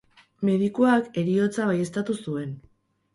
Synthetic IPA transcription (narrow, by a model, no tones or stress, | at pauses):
me̞ðikoake̞ɾio̞t͡saβ̞aje̞st̪at̪usue̞n